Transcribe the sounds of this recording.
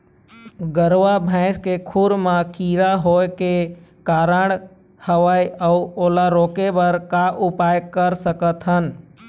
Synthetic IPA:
ɡəɾʋabʱɛ̃ɪskekʰuɾmãkʰiɾaɦojkekaɾəɽ̃ | həʋajəuoːlaɾokebəɾkaʔupajkəɾsəkət̪ɦən

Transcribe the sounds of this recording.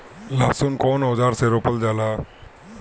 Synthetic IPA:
lasunkɔnɦɔd͡zaɾseɾopəld͡zala

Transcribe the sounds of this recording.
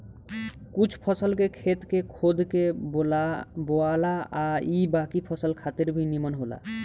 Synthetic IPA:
kut͡ʃʰpʰɔsəlkekʰet̪kekʰod̪ʱkeolaboalaaibakipʰɔsəlkʰat̪eɾbʱinimɔnɦola̰

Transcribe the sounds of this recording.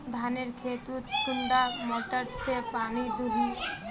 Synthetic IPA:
d̪ʱaneɾkʰeːt̪ut̪ʊɳɖamoʈəɾt̪epaːnid̪uɦi

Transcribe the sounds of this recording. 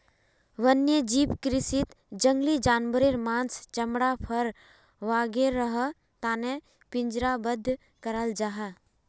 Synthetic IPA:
ʋənjəd͡ʒiːpkɾɪsit̪ | d͡ʒə̃ŋɡlid͡ʒaːnbəɾeɾmãːnst͡ʃɐmɽapʰəɾ | ʋaːɡeɾəɦ | t̪aːne | pɪ̃ɲd͡ʒɾabəd̪ʱː | kəɾəld͡ʒaɦa

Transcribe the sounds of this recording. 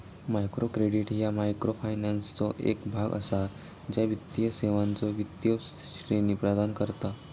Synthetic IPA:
majkɾokɾeɽiʈjamajkɾofajnanst͡sɔʔḛkbʱaɡə̰sa | d͡ʑjaʋit̪ːijəseʋant͡sɔʋit̪jəɕɾeniːpɾəd̪ankəɾt̪a

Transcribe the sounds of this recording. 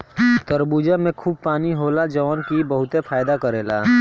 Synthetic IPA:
t̪əɾbuːd͡ʒamẽkʰuːb̚paːniɦoːlad͡ʒəʋɔnkibəɦʊt̪epʰaːjd̪akəɾeːla̰

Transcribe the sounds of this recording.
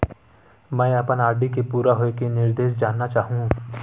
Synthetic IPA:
mɛ̃ːɐpənaːɖikepuːɾaɦoekenɪɾd̪eːʃd͡ʒaːnːat͡ʃaːɦũ

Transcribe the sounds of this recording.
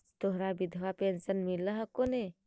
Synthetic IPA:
t̪oɦɾabid̪ʱʋapensənmiləɦəkone

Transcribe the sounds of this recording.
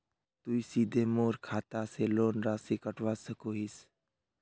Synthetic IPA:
t̪uisiːd̪ʱemoːɾkʰaːt̪aseloːnɾaːsikəʈʋaːsəkoɦis

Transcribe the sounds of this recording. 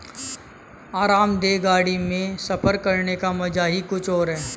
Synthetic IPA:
aːɾaːmd̪eːɡaːɽimẽsɐpəɾkɐɾnekamɐd͡ʒaɦikʊt͡ʃʰɔːɾɦɛː

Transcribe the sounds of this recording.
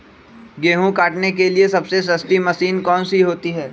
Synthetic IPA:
ɡeːɦũkaːʈnek̬eliesɐbseʃ̬ɐst̪imɐsiːnkɔːnsiɦoːt̪iɦɛː

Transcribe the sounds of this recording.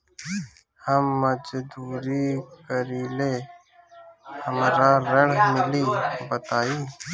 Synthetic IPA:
həmːəd͡ʒd̪uːɾikəɾiːleː | həmɾaɾəɽmɪliːbət̪aːiː

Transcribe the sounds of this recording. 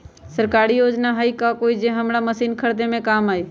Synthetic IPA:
səɾkaːɾijoːd͡ʒnaɦaikakoːid͡ʒẽɦəmɽaməsiːnkʰəɾd̪emẽkaːmaːiː

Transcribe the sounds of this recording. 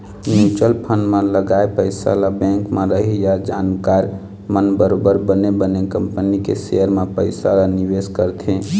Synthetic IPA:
nut͡ʃəlpʰənmeləɡaepəɪsa̰labɛ̃ŋkmeɾəɦijad͡ʒankaɾ | mənbəɾobəɾbənebənekəmpənikḛseəɾmepəɪsalaniʋeskəɾt̪ʰẽ

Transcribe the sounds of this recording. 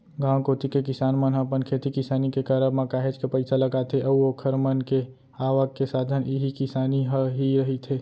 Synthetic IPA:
ɡãːkoːt̪ikekɪsaːnmənɦəpənkʰeːt̪ikɪsaːnikekəɾəbmãkaːɦed͡ʒkepəɪsaləɡaːt̪ʰeʔəuokʰəɾmənke | aːʋəkːesaːd̪ʱəniɦikɪsaːniɦɦiɾəɦit̪ʰeː

